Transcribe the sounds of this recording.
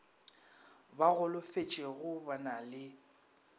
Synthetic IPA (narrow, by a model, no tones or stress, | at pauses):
baɣʊlʊfet͡ʃʼeɣʊbanalɪ